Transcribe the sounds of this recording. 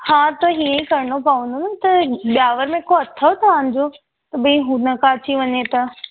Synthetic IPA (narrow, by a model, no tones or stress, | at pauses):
hãːt̪ɐɦiːə̃ĩkɐɾɪɽ̃opɐʋə̃nd̪ʱunɪt̪ɐɓjaːʋəɾmẽkoɐt̪ʰːət̪ʰɐʋaːñ̆d͡ʑo | t̪ɐɓĩɦũnɐkaːt͡ɕiʋɐɲet̪a